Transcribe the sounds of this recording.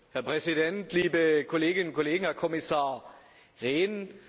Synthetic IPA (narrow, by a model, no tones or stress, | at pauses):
hæɐpʁ̥ɛsidɛntʰliːbəkʰoleːɡɪnənkʰoleːɡŋ̩hæɐkʰomisɑːɐ | ʁeːn